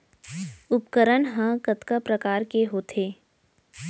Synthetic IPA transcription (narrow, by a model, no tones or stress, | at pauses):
ʊpkəɾənɦə̃kət̪kapɾəkaːɾkeɦoːt̪ʰeː